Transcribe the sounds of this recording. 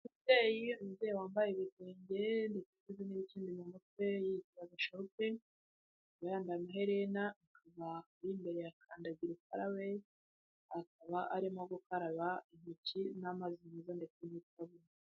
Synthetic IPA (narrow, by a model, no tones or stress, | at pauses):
mutejiumuzejewaːmbajeβize̞ːɲɟe̞nditekezeniβiciːndimumut̚we̞jitiβaɡaʃaupe | ɡajaːndajamaɦe̞ɾenakʰaβakuɾimbe̞ɾeakʰaːndaɟiɾukaɾawe̞ | akaβaʔaɾimoɡukaɾaβaim̥icinamazinizandet͡senitaβuni